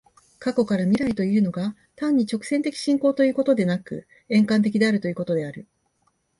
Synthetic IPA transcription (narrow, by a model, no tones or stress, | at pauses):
kako̞kaɾamʲiɾait̪o̞iɯ̟no̞ɡa | t̪ãɲ̟ːit͡ɕo̞kɯ̟̥sẽ̞nt̪e̞kʲi̥ɕĩŋko̞ːt̪o̞jɯ̟ːko̞t̪o̞d̪e̞nakɯ̟̰ | ẽ̞ŋkãnt̪e̞kʲid̪e̞aɾɯ̟t̪o̞jɯ̟ːko̞t̪o̞d̪e̞aɾɯ̟